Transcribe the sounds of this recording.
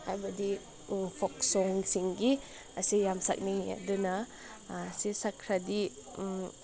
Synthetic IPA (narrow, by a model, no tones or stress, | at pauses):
ajbadi | pʰɔk̚sɔŋsiŋɡi | asijamsa̰k̚nija̰dɯna | sisakʰɾadi